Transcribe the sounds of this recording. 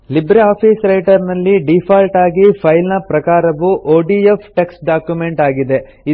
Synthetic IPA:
libɾeaːpʰiːsɾɐjʈɐɾnɐlːiɖipʰaːlʈaːɡipʰɐjlnɐpɾɐkaːɾɐʋuʔoːɖiepʰʈeksʈɖaːkjume̞ɳʈaːɡid̪e̞ | i

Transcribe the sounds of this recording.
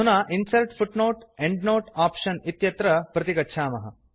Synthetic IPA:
unaːʔinsɐlʈfʰuʈnoːʈeɳɖnoːʈaːpʂɐnit̪jɐt̪ɾɐpɾɐt̪ikɐtːʃʰaːmɐ̰ɦɐ̰

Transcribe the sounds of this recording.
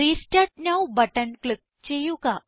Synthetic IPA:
ɾisʈaʈ̚nawbəʈənklik̚t͡ɕejuka

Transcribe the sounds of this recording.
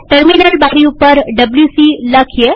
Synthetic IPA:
ʈəɾminəlbaɾiupəɾɖəbljusiːləkʰje

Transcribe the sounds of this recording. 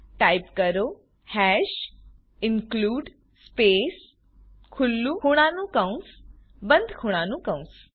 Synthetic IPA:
ʈajpkəɾo | hɛʃ | ɪnkluːɖ | speːs | kʰulːukʰuɽ̃ãnũkə̃ũs | bə̃nd̪ʱkʰuɽ̃ãːnũkə̃ũs

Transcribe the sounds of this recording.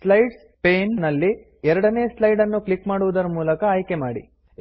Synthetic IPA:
slɐjɖs | peːnːɐlːi | ɛɾɐɽɐneːslɐjɖɐnːuklikmaːɽuʋud̪ɐɾɐmuːlɐkɐːjke̞maːɽḭ

